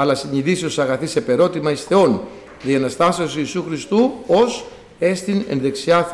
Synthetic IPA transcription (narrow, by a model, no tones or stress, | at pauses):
ɐlɐsiɲiðisio̞sɐɣɐθisepe̞ɾo̞t̪imɐisθe̞o̞n | ðiɐnɐst̪ɐseosiːsuxɾist̪uo̞s | e̞st̪ine̞̰nðe̞ksiɐθ